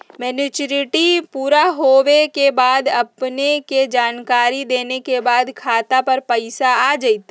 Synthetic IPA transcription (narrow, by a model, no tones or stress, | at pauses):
mɛnɪt͡ʃɾɪʈipuːɾaɦowekebaːd̪ɐpneked͡ʒaːnkaːɾid̪eːnekebaːd̪kʰaːt̪apɐɾpəɪsaaːd͡ʒəit̪